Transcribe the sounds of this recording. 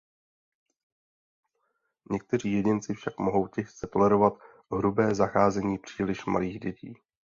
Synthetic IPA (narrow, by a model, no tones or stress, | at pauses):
ɲɛk̚t̪ɛr̝iːjɛɟɪnt͡sɪfʃakmoɦo̞wcɛxt͡sɛt̪o̞lɛɾo̞vat̪ | ɦɾubɛːzaxaːzɛɲiːpr̝̥iːlɪʃma̰liːɣɟɛcḭː